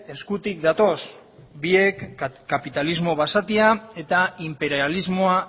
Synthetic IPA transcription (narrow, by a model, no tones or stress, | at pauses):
e̞skut̪ik̚d̪at̪o̞s | bie̞kːapit̪alizmo̞βasat̪iae̞t̪aimpe̞ɾializmo̞a